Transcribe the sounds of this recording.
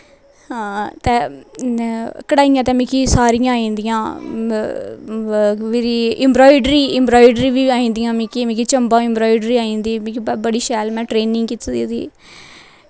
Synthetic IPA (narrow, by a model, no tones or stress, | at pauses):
hãːt̪ɛː | kəɽaːijãːt̪ɛ̃ːmĩːkiːsaːɾijãːĩːnd̪ijãː | ʋeːɾiːɪmbɾɔːɪɖɾiːɪmbɾɔːɪɖɾiːʋiːaːĩːnd̪ijãːmĩːkimĩːkit͡ʃəmbãːɪ̃mbɾɔːɪɖɾiːaːĩːnd̪iːmĩkibəɽiːʃɛːlmɛ̃ːʈɾeːnɪŋɡkit̪d̪id̪ḭː